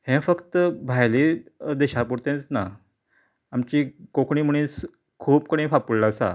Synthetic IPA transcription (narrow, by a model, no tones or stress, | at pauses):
hɛ̃fəkt̪əbʱajlid̪eɕapuɽt̪ẽt͡sna | amt͡ɕikokɳ̃iːm̤əɽ̃ĩːs | kʰuːpkəɽ̃ĩfapullasa̰